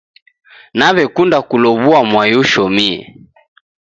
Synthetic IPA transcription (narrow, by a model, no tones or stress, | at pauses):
naβɛkundakulɔβuamwajuʃɔmiɛ̰